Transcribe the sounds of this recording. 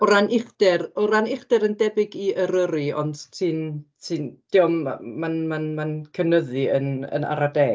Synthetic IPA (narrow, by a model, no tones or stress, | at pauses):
ɔɾanɪχd̥ɛrɔɾanɪχd̥ɛɾəndɛbɪɡiəɾəɾiɔ̰nd̥tʰiːntʰiːnd̥iɔmamanmanmankʰənəðiənə̰na̰ɾadɛ